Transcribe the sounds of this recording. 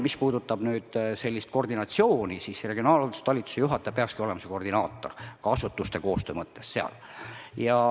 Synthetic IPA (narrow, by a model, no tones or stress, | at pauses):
mispuːd̪ut̪ːˑɑb̥nyːd̪̥se̞lʲːist̪̚ko̞rd̪inɑt̪sio̞ːnisiːsre̞ɡ̥io̞nɑːlolt̪ust̪ɑlʲit̪ːˑu̥sejuɦɑt̪ːˑepeɑkskio̞le̞mɑse̞ko̞rd̪inɑːt̪ːˑo̞̰rkɑɑsut̪ːˑust̪e̞ko̞ːst̪øːmɤt̪ːe̞sːeɑ̰l | jɑ